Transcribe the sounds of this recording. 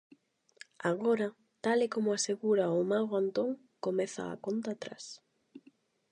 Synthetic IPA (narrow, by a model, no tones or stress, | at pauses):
aɣoɾa | t̪alekomʊaseɣuɾaʊmaɣoant̪oŋ | komɛθa̰ːkont̪at̪ɾa̰s